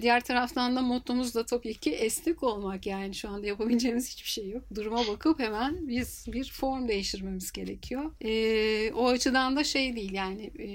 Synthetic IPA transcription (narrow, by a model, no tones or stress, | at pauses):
d̪ijæɾt̪ʰaɾaft̪ʰand̪amo̞t̪ʰumuzd̪ˠat̪ʰo̞pecʰiʔɛslʲiko̞lˠmakjaːniʃuand̪ajapabilʲd͡ʒeːmiz̥hi̥t͡ʃbiʃe̞jːok̚d̪uɾumabakʰɯphemænbiz̥biɾfo̞ɾmd̪e̞jiʃt̪ʰiɾme̞mizɟe̞ɾe̞̰cʰijo̞ɛːo̞at͡ʃʰɯd̪and̪aʃe̞jd̪ijilʲjaːnɪ